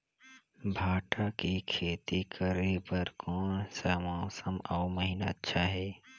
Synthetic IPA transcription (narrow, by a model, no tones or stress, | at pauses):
bʱaːʈʰakikʰeːt̪ikʰəɾepəɾkʰɔːnsəmãːwsəmaːʊməɦinaətːʃʰaɦɛː